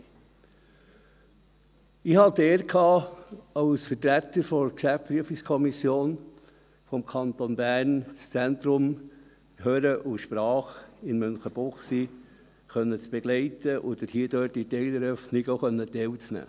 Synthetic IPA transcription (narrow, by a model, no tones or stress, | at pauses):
ɪhɑd̪eːɾkʰɑːɑwsfətɾæt̪əɾfɔɾkʃæfpɾyəfɪkskʰɔmisjoːn | fɔmkʰɑnt̪onbæːɾnt͡st͡sænt̪ɾʊm | høːɾəʔʊʃpɾɑːχɪnmœnχəb̥ɔχsi | χœnːət͡sb̥ɛɡ̥lɛɪt̪əʔɔd̥̪əɾhiəd̥̪øːt̚itɛɪləɾœfnɪɡoχœnːət̪ɛwt͡snæ̰ː